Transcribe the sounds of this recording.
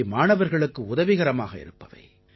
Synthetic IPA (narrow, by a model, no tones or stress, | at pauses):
ɪmaːɳɐʋɐɾɣɐɭɯkːɯʊðɐʋɪɣɐɾɐmaːɣɐɪ̰ɾɯpːɐʋɐ̰ɪ